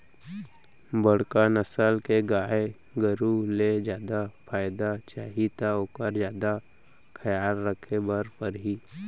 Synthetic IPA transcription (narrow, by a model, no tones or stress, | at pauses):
bəɽkanəsəlkeɡaːe | ɡəɾuled͡ʒjaːd̪apʰaːɪd̪at͡ʃaːɦit̪aoːkəɾd͡ʒjaːd̪a | kʰəjaːlɾəkʰebəɾpəɾɦi